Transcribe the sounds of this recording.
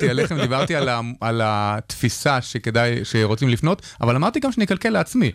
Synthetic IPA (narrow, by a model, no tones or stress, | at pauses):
t̪ieleχemd̪ibaʁt̪ialaalat̪fisaʃeked̪ajʃeʁot͡simlifno̞t̪ | a̰valamaʁt̪iɡamʃenikalkeleat͡smi